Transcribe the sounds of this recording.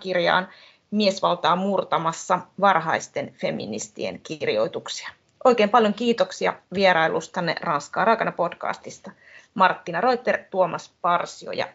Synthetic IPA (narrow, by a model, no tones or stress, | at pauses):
kirjɑ̰ːn | miesʋɑlt̪ɑːmurt̪ɑmɑsːɑʋɑrɦɑist̪e̞nfe̞mḭnḭst̪ḭḛnkirjo̞̰jt̪uksi̥ɑ | ʔo̞jkeːmpɑljoŋkiːt̪oksiɑ̰ʋieɾɑjlust̪ɑnːḛrɑnskɑːɾʔɑikɑnɑpo̞dkɑ̰ːst̪ist̪ɑ | mɑrt̪ːinɑro̞jt̪ːert̪uomʔɑspɑrsio̰jɑ̰